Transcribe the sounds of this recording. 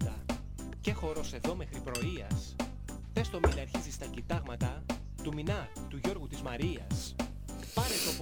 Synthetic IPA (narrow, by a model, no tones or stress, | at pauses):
t̪ɐ | ce̞xo̞ɾo̞se̞ðo̞me̞xɾipɾo̞iɐs | pest̪o̞minɐɐɾçizist̪ɐcit̪ɐɣmɐt̪ɐ | t̪uminɐ | t̪uʝo̞ɾɣut̪izmɐɾiɐs | pɐɾet̪op